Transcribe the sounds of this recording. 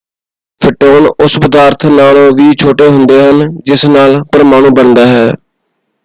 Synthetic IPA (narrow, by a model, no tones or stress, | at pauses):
pʰɪʈoːnʊspəd̪aːɾt̪ʰnaːlõːʋiːt͡ʃʰoːʈeːɦʊnd̪eːɦənd͡ʒɪsnaːlpəɾmaːnũːbənd̪aːɦɛː